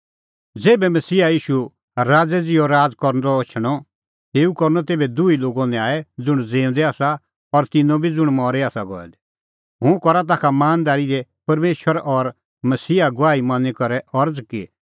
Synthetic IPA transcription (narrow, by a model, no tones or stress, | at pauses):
d͡zeːbɛmɐsiːajiːʃu | ɾaːd͡zɛd͡zɪɔɾaːd͡zkɔɾnd̪ɔt͡ʃʰɽ̃ɔ | t̪eːukɔɾnɔt̪eːbɛd̪uiloːɡɔ̃nɛ̃aːɛd͡zʊɽ̃d͡zẽːʊ̃nd̪ɛaːsa | ɔɾt̪ɪnɔ̃bʱid͡zʊɽ̃mɔːɾɛaːsaɡɔ̰ɛ̰d̪ | ɦʊ̃kɔɾat̪̬aːkʰamaːnd̪aːɾid̪ɛpɐɾmeːʃəɾʔɔɾ | mɐsiːaɡʊaːimãnikɔɾɛʔɔɾd͡zki